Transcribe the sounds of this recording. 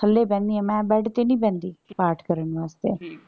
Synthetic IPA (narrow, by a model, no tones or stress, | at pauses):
əlːeːpɛ̃ːnd̪iːɛ̃ːmɛ̃ːbɛːɽt̪eːnĩːpɛ̃ːnd̪iːpaːɾʈʰkəɾəɳʋaːst̪ḛː